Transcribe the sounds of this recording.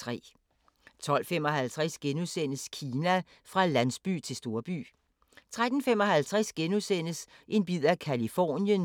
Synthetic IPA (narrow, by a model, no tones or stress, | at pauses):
t͡sʰʁɛ̰ː | t͡sʰɒ̽l̰fem̰ɒ̽hælt͡sʰʁasɡ̥enusen̰əskʰiːnæ | fʁɑ̈lænsb̥y̰ːt͡sʰe̝lsd̥o̝ɐb̥y̰ː | t͡sʰʁad̥n̩fem̰ɒ̽hælt͡sʰʁasɡ̥enusen̰əs | ʔe̝nb̥ið̰ˠækʰælifɒ̰ːnjən